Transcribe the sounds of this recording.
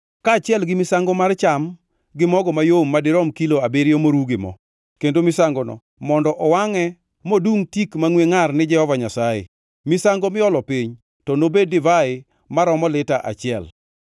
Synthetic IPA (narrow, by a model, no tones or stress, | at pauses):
kaːt͡ʃɪɛlɡɪmɪsaŋɡomart͡ʃam | ɡɪmɔɡɔmajomːadɪɾɔmkiloabeɾjomoɾuɡɪmɔ̰ | kendomɪsaŋɡɔnɔ̰ | mɔndɔʔɔwaŋɛ | moduŋtikmaŋweŋarnɪd͡ʒɛhɔvaɲasajɪ̰ | mɪsaŋɡomɪɔlɔpiɲ | tɔnobedɪvaɪ | maɾɔmɔlɪtaʔa̰t͡ʃɪɛ̰l